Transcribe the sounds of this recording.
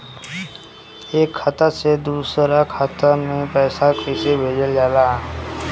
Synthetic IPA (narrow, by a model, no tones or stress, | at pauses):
eːkʰːat̪əsed̪uːsɾakʰat̪əmẽpɛːsakʰisebʱeːd͡ʒəld͡ʒaːla